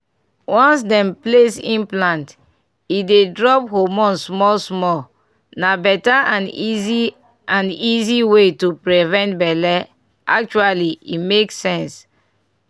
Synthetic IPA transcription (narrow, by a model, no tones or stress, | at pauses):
wɔ̃nsdɛ̃mplesĩnplãnt | idedɹɔphomɔ̃nsmɔlsmɔl | nabɛtaʔãnizi | ãniziwetupɹivɛ̃ntbɛlɛ | ʔak̚t͡ʃualiḭmeksɛ̃ns